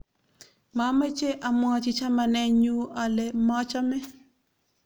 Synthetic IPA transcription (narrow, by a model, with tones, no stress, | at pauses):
ma˨˦ma˦t͡ʃe˦ʔa˨mwɔ˦˨t͡ʃɪ˦t͡ʃa˦ma˨nɛ˦ɲu˦a˨le˦mɔ˦t͡ʃɔ˦mɛ˦